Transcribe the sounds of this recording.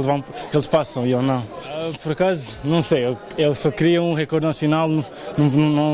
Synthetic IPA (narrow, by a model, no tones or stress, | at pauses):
lˠvɐ̃w̃kelˠʃfasɐ̃w̃ionɐ̃w̃apɔɾɐkazunɐ̃w̃sejew | elˠsɔkɾiɐũʁɛkɔɾd̪nɐsjunalˠnu | nɐ̃ñnɐ̃w̃